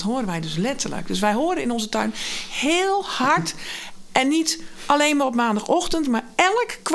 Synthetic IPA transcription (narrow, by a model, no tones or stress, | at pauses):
tɦoːəɾənʋɛjdøslɛtʰərlə̰k̚d̥øsʋɛjɦoədəɪnɔnzətœ̰ɥnheːlˠhaɹtʔɛnːit | ʔaleːnmarɔp̬maːndaxɔxtəntmaɹɛlˠəkkːʋ